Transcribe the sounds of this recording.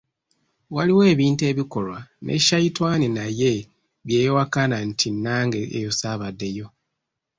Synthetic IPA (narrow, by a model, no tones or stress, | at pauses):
waliwe̞ːβiːnte̞ːβiko̞lwanʔḛʃajitwaːninaje̞ | βje̞ːwakanantʰinːaːŋɡe̞ʔḛjosaβadːe̞jo̞